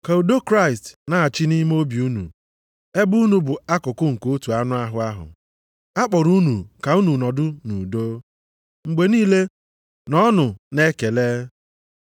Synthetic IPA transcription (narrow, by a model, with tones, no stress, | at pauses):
ka˨o˨do˦kɾa˦˨ɪ˨stna˦˨a˨t͡ʃɪ˦ni˦m˦o˦bi˨u˦nṵ˨ | e˦bu˦nu˨bʊ˨a˦kʊ˨kʊ˦ŋ̩˨ko˦tu˨a˦nʊ˦a˦ɦʊ˨a˦ɦʊ̰˨ | a˦k͡pɔ˨ɾu˦nṵ˨ka˨u˦nu˨nɔ˨dʊ˦nu˨do˦ | ŋ͡m̩˨ɡ͡be˨niː˦le˦ | nɔ˦nʊ˨ne˦ke˨leː˦